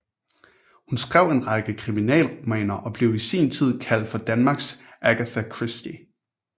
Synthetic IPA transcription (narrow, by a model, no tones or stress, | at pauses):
hunsɡ̥ʁɛʊe̝nʁɑɡ̥əkʰʁiminɛ̰ːlʁo̝mɛ̰ːnɐʔɒ̽b̥le̝ʊisḭːnt͡sʰið̞̰ˠkʰæl̰d̥fɒ̽d̥ænmɑ̈ːɡ̥sʔæɡ̥æθækʰʁisd̥i